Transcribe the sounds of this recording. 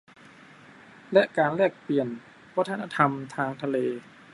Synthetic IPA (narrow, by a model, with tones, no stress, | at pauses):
lɛ˦˥ʔkaː˧nlɛː˥˩k̚pli˨˩ən | wa˦˥t̪ʰa˧na˧t̪ʰa˧mt̪ʰaː˧ŋt̪ʰa˧leː˧